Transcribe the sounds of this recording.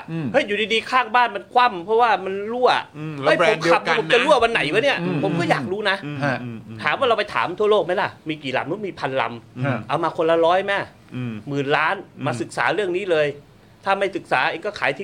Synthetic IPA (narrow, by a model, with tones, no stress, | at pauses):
hɤ˦˥˩juː˨˩diː˧diː˧kʰaː˥˩ŋbaː˥˩nma˧nkʰwa˥˩mpʰɾɔ˦˥waː˥˩ma˧nɾu˥˩ɐha˦˥jʰo˨˦mkʰa˨˩p̚ʰːa˦˧pʰo˩˦t͡ɕa˨ɾu˥˩ɐwa˧nːa˨˩˦jwaː˧˦˥ni˦˥˩ɐpʰo˩˦mkɔː˥˩jaː˨˩k̚ɾuː˦˥na˦˥ | t̪ʰa̰ː˨˦mwaː˥˩ɾa˧wpa˧jt̪ʰa̰ː˩˦mt̪ʰu˥˩ɐloː˥˩k̚ma˦˥jla˧˥˩miː˧kiː˨˩la̰˧mnu˦˥miː˧pʰa˧nla̰˧mʔa˧wmaː˧kʰo˧la˧ɾɔː˦˥jma˦˥˨ | mɯː˨˩nlaː˦˥nmaː˧sɯ˨˩k̚saː˩˦ɾɯ˥˩əŋniː˦˥lɤː˧j | t̪ʰaː˥˩ma˥˩jsɯ˨˩k̚saː˩˦ʔeː˧ŋkɔː˥˩kʰaː˩˦jt̪ʰiː˧